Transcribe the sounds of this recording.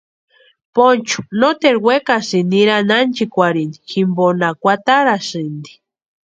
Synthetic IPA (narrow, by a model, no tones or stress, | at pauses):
pont͡ʃu̥not̪eɾwekasiniɾanant͡ʃikʷaɾini̥ximbonakʷat̪aɾasɨnd̪i̥